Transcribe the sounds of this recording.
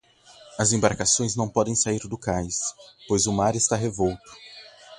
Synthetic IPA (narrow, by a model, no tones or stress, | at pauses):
ɐzẽbaɾkasõj̃znɐ̃w̃pɔd̪ẽj̃saiɾd̪ʊkajspojzʊmaɾɪst̪aɦevowt̪ʊ̥